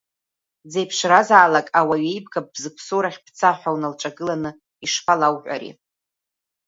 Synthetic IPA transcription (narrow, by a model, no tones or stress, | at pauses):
d͡zejpʰʂrazaːlakʼawaɥejbɡap̚bzɨkʷʰsoɾaχʲpʰt͡sʰaħʷᶣawnalʈ͡ʂʼaɡɨlanɨ | iʂpʼalawħʷᶣʼa̰ɾḭ